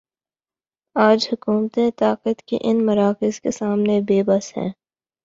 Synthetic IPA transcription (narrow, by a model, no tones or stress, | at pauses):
aːd͡ʒhʊkuːmt̪ẽt̪aːqət̪kḭʔɪnmɐɾaːkɪzkesaːmnebeːbɐsɦɛ̰̃ː